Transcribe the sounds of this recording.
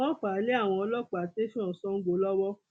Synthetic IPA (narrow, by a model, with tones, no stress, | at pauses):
ɔ̃˦k͡pa˨˦le˨˦a˦˨w̃ɔ̃˧ɔ˧lɔ˦k͡pa˨te˦fĩ˦ɔ̃˨sɔ̃˦ŋ̩˦ɡ͡bo˧˦lɔ˦wɔ˦